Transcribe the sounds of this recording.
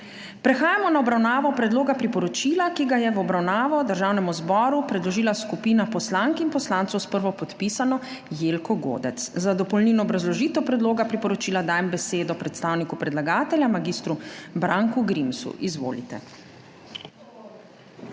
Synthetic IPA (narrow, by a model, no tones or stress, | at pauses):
pɾɛxaːjamɔnaɔbɾawnaːʋɔpɾɛd̪loːɡapɾipɔɾɔt͡ʃiːlakiɡajɛʋɔbɾawnaːʋɔd̪əɾʒaːwnɛmuzbɔɾupɾɛd̪lɔʒiːlaskupiːnapɔslaŋkinpɔslaːnt̪sɔwspəɾʋɔpɔt̪pisanɔjelkɔɡo̰ːd̪ɛt̪szad̪ɔpɔlninɔːbɾazlɔʒiːt̪ɛwpɾɛd̪loːɡapɾipɔɾɔt͡ʃiːlad̪aːjɛmbɛseːd̪ɔpɾɛt̪st̪aːwnikupɾɛd̪laɡaːt̪ɛljamaɡist̪ɾubɾaŋkuɡɾimsṵʔizʋo̰ːlḭt̪ɛ̰